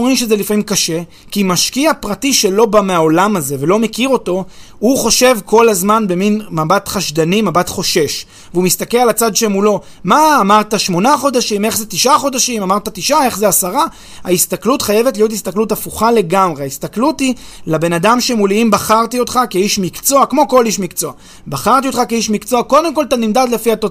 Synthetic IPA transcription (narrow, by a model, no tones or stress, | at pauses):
oimʃe̞zelifamimkaʃe̞ | kimaʃkiapʁatiʃe̞lo̞bameao̞lamaze̞ve̞lo̞mekiʁo̞to̞ | huχo̞ʃe̞vko̞lazmanbe̞minmabatχaʃdanimabatχo̞ʃe̞ʃ | vumist̪akelalat͡sadʃemulo̞ | maːmaʁt̪aʃmo̞naχo̞d̪aʃime̞χzet̪iʃʔaχo̞daʃimamaʁt̪atiʃʔae̞χzeasaʁa | a̰ist̪aklut̪χaje̞vetlijo̞tist̪aklutafuχale̞ɡamʁeaist̪aklutilabe̞nadamʃemuliimbaχaʁt̪io̞t̪χakeiʃmikt͡so̞akmo̞ko̞liʃmikt͡so̞a | baχaʁt̪iot̪χakeiʃmikt͡so̞ako̞d̪e̞mko̞lt̪animd̪ad̪lefiat̪o